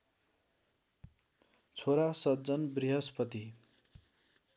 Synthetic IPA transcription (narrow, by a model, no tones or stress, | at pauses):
t͡sʰoɾasʌd͡zʌnbriɦʌspʌt̪i